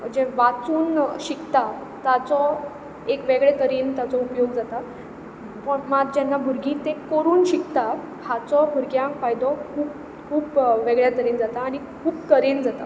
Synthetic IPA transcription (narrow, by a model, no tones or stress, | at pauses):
m̤əɳd͡ʑeʋat͡suːnɕikt̪a | t̪at͡sɔ | ekʋeɡɭet̪əɾiːnt̪at͡sɔupjoɡd͡zat̪a | pəɳmad̪̚d͡ʑanːabʱuɾɡĩːt̪ẽkoɾuːnɕikt̪a | hat͡sɔbʱuɾɡjãŋkfajd̪ɔkʰuːp | kʰuːpʋeɡɭjat̪əɾiːnd͡zat̪aːɽ̃i | kʰuːbkəɾend͡zat̪a̰